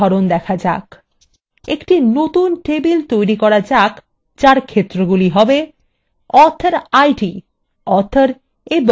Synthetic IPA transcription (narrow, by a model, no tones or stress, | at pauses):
ɔɾond̪ɛkʰad͡ʑa̰k | ekʈinot̪unʈebilt̪ojɾikɔɾad͡ʑak | t͡ɕaɾkʰet̪ːɾoɡuliɦɔbe | ɔɾt̪ʰaɾajʈi | ɔɾt̪ʰaɾ | eb